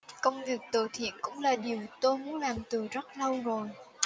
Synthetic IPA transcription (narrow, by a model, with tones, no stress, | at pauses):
kə˧wŋ͡mvi˨˩ək̚t̪o˧˩t̪ʰḭ˧˨ənkʊ̰˧˥ŋ͡mlaː˨˩ɗi˨˩əwt̪o˧jmu˨˥ənlaː˨˩mt̪ɨ˨˩əzə˦˥t̚lə˧wzo˨˩j